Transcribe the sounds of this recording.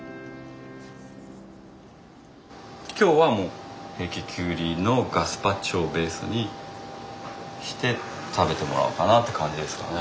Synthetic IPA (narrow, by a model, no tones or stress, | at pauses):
kʲo̞ːβamo̞ːhe̞ːkʲikʲʰɨːɾʲino̞ɡasɨ̥pat͡ɕo̞ːbe̞ːsɨ̰ɲ̟i | ɕi̥t̪e̞ | t̪ʰabe̞t̪e̞mo̞̰ɾa̰ɯ̟kanat̪ːe̞kʰãɲ̟d͡ʑid̪esɨ̥ka̰ne